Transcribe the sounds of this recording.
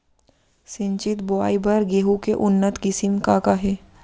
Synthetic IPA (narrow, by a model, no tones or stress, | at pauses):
sɪ̃ɲt͡ʃɪt̪boaːibəɾɡeːɦukeʔʊnːət̪kɪsɪmkakaɦɛː